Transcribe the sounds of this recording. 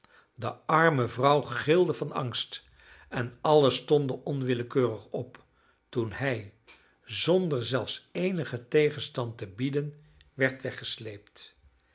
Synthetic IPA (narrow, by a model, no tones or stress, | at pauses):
dəɑɹməvrʌwχɪlˠdəvɑnɑ̰ŋst | ɛnɑləstɔndəʔɔnʋɪləkøːrəχɔp | tunɦɛj | zɔndəɹzɛlˠfsejnəχətejχənstɑntəbidən | ʋɛɹtʋɛχəslejpt